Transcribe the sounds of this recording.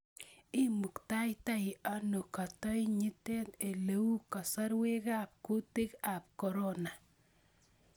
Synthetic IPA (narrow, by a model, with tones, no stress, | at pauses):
i˦mu˨kta˦jta˦ja˦no˨ka˨tɔ˦jɲi˦te˦te˨le˦wu˦ka˨sa˦ɾwe˦kap̚ku˦te˦ka˨p̚kɔ˨ɾo˦na˨